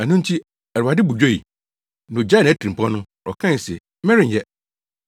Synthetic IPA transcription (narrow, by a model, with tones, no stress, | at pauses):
æ˨nʊ̃˦n̩˦tʰi˦ | æ˨ɾa˨dɪ˦bu˨d͡ʑᶣo˦˨ḭ˨ | nʊ̃˨d͡ʑa˦ñ˨æ˦tʰĩ˨pʰɔ̃˦nʊ̃˦ | ɔ̰˨kʰã˦˨sɛ˨ | mɛ̃˦ɾɪ̃˨n˨jɛ˦